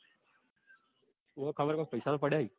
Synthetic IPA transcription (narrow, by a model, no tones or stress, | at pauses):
ʊakʰəbəɾkaːpəːsaːlːpəɽaːɦiː